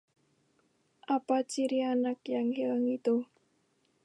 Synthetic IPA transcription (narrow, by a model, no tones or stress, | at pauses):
ʔapat͡ʃiɾianakjaŋhiləŋit̪u